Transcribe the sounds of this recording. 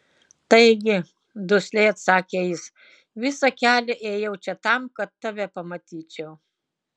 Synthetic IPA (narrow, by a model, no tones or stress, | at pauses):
t̪ɐɪɡʲɪ | d̪ʊsʲlʲɛɪɐt̪sɑːkʲeːjɪs | ʋʲɪsɐkʲæːlʲɛʔeːjɛʊt͡ʃʲɛt̪ɐmkɐt̪ːɐʋʲɛpɐmɐt̪ʲiːt͡ʃʲɛʊ